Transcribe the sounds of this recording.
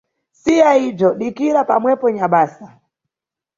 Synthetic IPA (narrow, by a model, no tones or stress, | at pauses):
siaib͡ʐɔɗikiɾapa̰mwɛpɔɲaɓaːsa